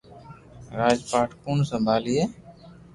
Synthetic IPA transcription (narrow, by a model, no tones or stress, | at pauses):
ɾaːd͡ʒpaːʈʰpunsə̃mbʱaːlie